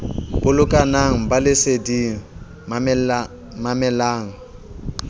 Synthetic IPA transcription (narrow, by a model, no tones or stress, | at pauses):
b̥ʊlʊkʼanaŋ̩balɪsediŋ̩ | mamɛlaːŋ̩